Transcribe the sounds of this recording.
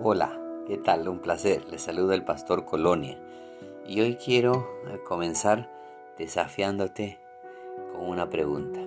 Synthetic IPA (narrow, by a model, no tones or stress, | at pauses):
ola̰ke̞t̪alumplaseɾle̞saluðoelpast̪o̞ɾkʰo̞lonja | io̞jkje̞ɾo̞ko̞mẽ̞nsaɾ | d̪̥e̞safjand̪o̞t̪e̞ | ko̞ŋunapɾeɣunt̪ḁ